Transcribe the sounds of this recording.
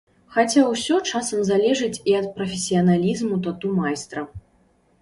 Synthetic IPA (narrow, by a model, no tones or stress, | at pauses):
xat͡sʲawsʲɔt͡ʂasɐmzalʲɛʐɨt͡sʲiɐt̪̚pɾɐfʲesʲijɐnalʲizmut̪at̪umajst̪ɾɐ